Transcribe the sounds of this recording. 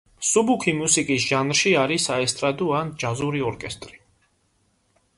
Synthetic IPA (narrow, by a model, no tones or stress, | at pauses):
subukʰimusikʼisʒ̥anɾʃiaɾisaɛst̪ʼɾad̪uand͡ʒazuɾiɔɾkʼɛst̪ʼɾi